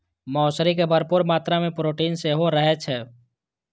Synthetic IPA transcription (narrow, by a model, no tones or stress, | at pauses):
mɔːsɾikebəɾpuːɾmaːt̪ɾamẽpɾoːʈiːnseɦoɾəɦet͡ʃʰɛː